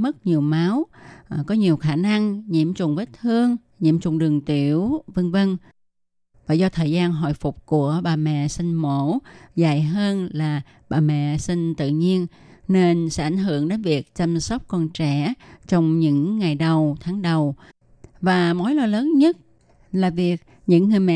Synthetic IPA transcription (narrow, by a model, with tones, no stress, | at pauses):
mɨ˦˥k̚ɲi˨˩əwmaː˨˦wkɔ˨˦ɲi˨˩əwxaː˧˩na˧ŋɲḭ˧˥əmt͡ɕʊ˨˩ŋ͡mvə˦˥t̚t̪ʰɨ˧əŋ | ɲḭ˧˩əmt͡ɕʊ̰˨˩ŋ͡mɗɨ˨˩əŋt̪i˧˩˨əwvə˧nvə˧n | vaː˨˩zɔ˧t̪ʰəː˨˩jzaː˧nɦɔ̰˧˨jfʊ˨˩k͡p̚ku˧˩əɓaː˨˩mɛ̰˧˨sï˧ŋ̟mo˧˥˦za̰˧˨jɦəː˧nlaː˨˩ | ɓaː˨˩mɛ̰˧˨sï˧ŋ̟t̪ɨ̰˧˨ɲi˧ən | ne˧nsɛ̰˧˦˥ʔa˧˩jŋ̟ɦɨ˧˩˨əŋɗe˨˦nvi˨˩ək̚t͡ɕa˧msə˦˥wk͡p̚kɔ˧nt͡ɕɛ˧˩˨t͡ɕɔ˧wŋ͡mɲɨ̰˧˥ŋːa˨˩jɗə˨˩wt̪ʰaː˨˦ŋɗə˨˩w | vaː˨˩mo˨˦jlɔ˨˩ləː˨˦nɲə˦˥t̚ | laː˨˩vi˨˩ək̚ | ɲɨ̰˧˥ŋːɨ˨˩əjmɛ̰˧˨